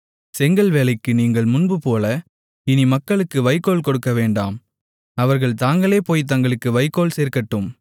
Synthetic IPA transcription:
sɛŋɡɐɭʋeːlɐɪkːɯniːŋɡɐɭmʊnbɯpoːlɐ | ɪnimɐkːɐɭɯkːɯʋɐɪkːoːɭkɔɽɯkːɐʋeːɳɖaːm | ɐʋɐɾɣɐɭt̪aːŋɡɐɭeːpoːjt̪ɐŋɡɐɭɯkːɯʋɐɪkːoːlseːɾkɐʈːɯm

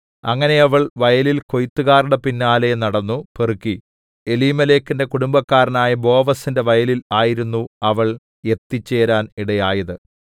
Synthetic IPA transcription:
ɐŋːɐne̞ɐʋɐɭʋɐjɐlilko̞jit̪ːuɣaːruɽepinːaːlenɐɽɐnːuperukːi | e̞liːmɐle̞ːkːinde̞kuɽumbɐkːaːɾɐnaːjɐbo̞ːʋɐsinde̞ʋɐjɐlilaːjiɾunːuɐʋɐɭ | e̞t̪ːit͡ɕːe̞ːɾaːniɽɐjaːjɐðɨ

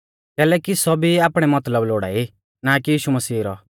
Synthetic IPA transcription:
kɛːlɛkisɔbʱiaːpɽ̃ɛmɐt̪ləbloːɽa̰ːi | nakijiːʃumɐsiːɾɔ̰

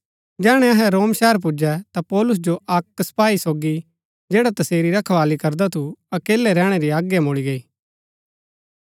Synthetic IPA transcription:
d͡ʒɛːɽ̃ɛ̃ɐɦɛ̃ɾoːmʃɛɦəɾp̬ʊd͡ʒɛt̪apɔːlʊs̬d͡ʒoʔɐksɐ̥paːisoːɡi | d͡ʒeːɽat̪ɐseːɾiɾɐkʰʋaːlikɐɾd̪at̪ʰuɐkeːlɛɾɛ̃ːɽ̃eɾiaːɡjamʊɭiɡɐiː

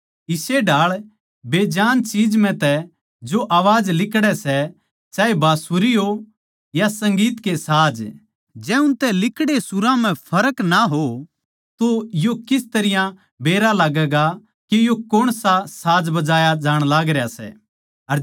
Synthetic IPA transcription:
ɪseɖaːɭ | beːd͡ʒaːnt͡ʃiːd͡ʒm̤ɛ̃t̪ɛ | d͡ʒoʔaːʋaːd͡ʒlɪkɽɛsɛ | t͡ʃaːebʱaːsuɾiɦo | jasɐ̃ŋɡiːt̪kesaːd͡ʒ | d͡ʒɛʊ̃nt̪ɛlɪkɽesʊɾãm̤ɛ̃pʰɐɾəknaɦo | t̪ojokɪst̪ɐɾɪjã | beːɾalaːɡɛːɡa | kijokoɽ̃sasaːd͡ʒbɐd͡ʒaːjad͡ʒaːɽ̃laːɡɾɛjasɛ̰ | ɐɾ

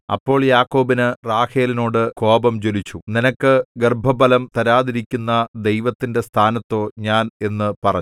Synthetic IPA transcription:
ɐ̰pːo̞ːɭjaːkːo̞ːbinɨraːheːlino̞ːɽɨko̞ːbɐmd͡ʑolit͡ɕːuninɐkːɨɡerbʱɐbɐlɐmt̪ɐɾaːðiɾikʲːunːɐd̪e̞jʋɐt̪ːinde̞st̪ʰaːnɐt̪ːo̞ːɲaːne̞nːɨpɐrɐɲ

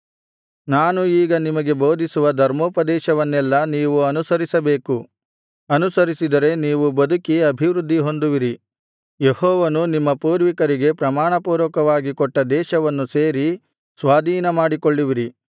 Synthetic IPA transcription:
naːnuiːɡɐnimɐɡe̞boːd̪ʱisuʋɐd̪ʱɐɾmoːpɐd̪ɛːʃɐʋɐnːɛlːɐniːʋuɐnusɐɾisɐbe̞ːku | ɐnusɐɾisid̪ɐɾe̞niːʋubɐd̪ukiɐbʱiʋɾud̪ʱːiɦo̞nd̪uʋiɾi | jehɔːʋɐnunimːɐpuːɾʋikɐɾiɡe̞pɾɐmaːɳɐpuːɾʋɐkɐʋaːɡikɔʈːɐd̪ɛːʃɐʋɐnːuseːɾi | sʋaːd̪ʱiːnɐmaːɽikoɭːiʋiɾi

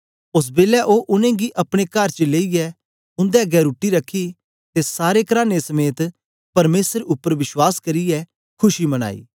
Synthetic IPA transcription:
ʊs̬beːlɛʔoʔʊnẽɡiʔɐpɽ̃ekɐɾt͡ʃəleːiɛ | ʊ̃nd̪ɛɡɛːɾuʈːiɾɐkʰːi | t̪esaːɾekɐɾaːnesɐmeːt̪ | pɐɾmeːsəɾʊpːəɾʋɪʃwaːskɐɾiɛ | kʰʊʃimɐɽ̃a̰ːḭː

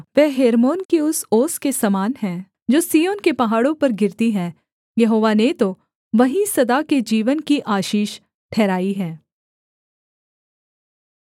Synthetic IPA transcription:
ʋɛɦɦeːɾmoːnkiʊsoːskesɐmaːnɦɛ̃ː | d͡ʒoːsiːjoːnkepɐɦaːɽõpɐɾɡɪɾt̪iɦɛ̃ː | jɐɦoːʋanet̪o | ʋɐɦĩsɐd̪aked͡ʒiːʋənkiʔaːʃiːʃ | ʈʰɛːɾaːiɦɛː

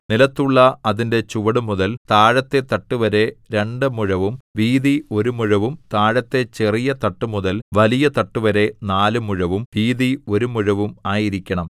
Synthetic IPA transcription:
nilɐt̪ːuɭːɐɐðinde̞t͡ɕuʋɐɽumuðɐlt̪aːɻɐt̪ːe̞t̪ɐʈːuʋɐɾe̞ɾe̞ɳɖɨmuɻɐʋumʋiːðio̞ɾumuɻɐʋumt̪aːɻɐt̪ːe̞t͡ɕerijɐt̪ɐʈːumuðɐlʋɐlijɐt̪ɐʈːuʋɐɾe̞naːlɨmuɻɐʋumʋiːðio̞ɾumuɻɐʋumaːjiɾikʲːɐɳɐm

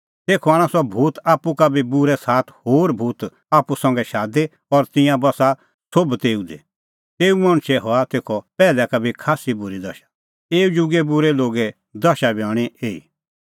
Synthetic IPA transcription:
t̪eːkʰɔaːɽ̃asɔbʱuːt̪aːpːukabʱibuɾɛsaːt̪ʰhoːɾbʱuːt̪ | aːpusɐ̃ŋɡɛʃaːd̪e | ɔɾt̪ɪ̃jãbɐsa | sobt̪eːud̪ɛ̰ | t̪eːumɐ̃ɽ̃t͡ʃʰɛɦɔat̪eːkʰɔpɛːlɛkabʱikʰaːsibʊɾid̪ɐʃḁ | eːud͡ʒuɡɛbʊɾɛloːɡɛ | d̪ɐʃabiɔ̃ːɽ̃ieːḭ

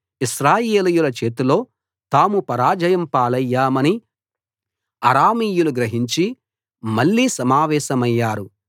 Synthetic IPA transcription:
iʃɾaːjeːlijulɐt͡ʃe̞ːt̪ulo̞ː | t̪aːmupɐɾaːd͡ʒɐjɐmpaːlɐjːaːmɐni | ɐɾaːmiːjuluɡɾɐɦiɲt͡ʃi | mɐɭːiːsɐmaːʋɛːʃɐmɐjːaːɾu

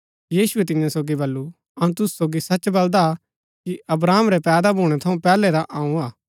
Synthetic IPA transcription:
jiːsʊet̪ɪnjãsoːɡibɐlːu | ɐũt̪ʊssoːɡisɐt͡ʃbɐld̪a | kiʔɐbɾaːmɾɛpɛːd̪abʱuːɽ̃ɛt̪ʰɐũpɛːlɛɾaʔaːũaː

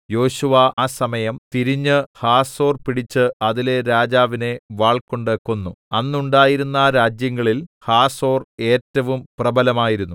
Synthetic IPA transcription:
jo̞ːɕuʋɐaːsɐmɐjɐmt̪iɾiɲːɨhaːso̞ːrpiɽit͡ɕːɨɐðile̞ɾaːd͡ʑaːʋine̞ʋaːɭkoɳɖeːkːonːuɐnːuɳɖaːjiɾunːaɾaːd͡ʑjɐŋːɐɭilhaːso̞ːre̞ːtːɐʋumprɐbɐlɐmaːjiɾunːu

